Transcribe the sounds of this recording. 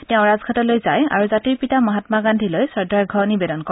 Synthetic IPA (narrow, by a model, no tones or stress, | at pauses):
tɛʊ̃ɹazkʰatɔlojzaja̰ɹuzatiɹpitamɔɦatmaɡandʱilojsɔɹdʱaɹɡʱɔnibɛdɔnkɔ